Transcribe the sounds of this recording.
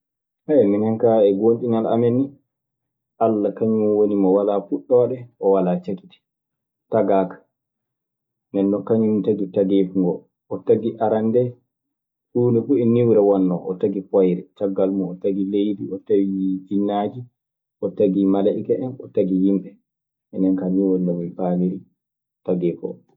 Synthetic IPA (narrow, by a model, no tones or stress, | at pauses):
haɛminɛŋkaɛɡont͡ʃinala̰mɛnːi | ʔalːakaɲunwonimɔwalafuɗːɔwaɗɛʔɔwalat͡ʃaki̥ti̥ | taɡakḁ | nɛnːɔkaɲumtaɡitaɡefuŋɡɔ | ʔɔtaɡiʔaɾandɛ | ʔuːnɛfuɛnːiwɾɛwɔnːɔʔɔtaɡifɔjɾɛt͡ʃaɡːalmɔːtaɡilejdiɔtawid͡ʒinːaːd͡ʒi | ʔɔtaɡimalaʔikaʔɛnɔtaɡijimɓɛ | ʔɛnɛnkaɲuwɔndɔminfaːliɾi | taɡɛfɔ̰